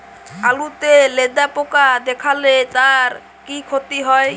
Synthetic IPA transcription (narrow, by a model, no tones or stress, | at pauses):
alut̪eled̪apokad̪ɛkʰalet̪aɾ | kikʰot̪iɦɔe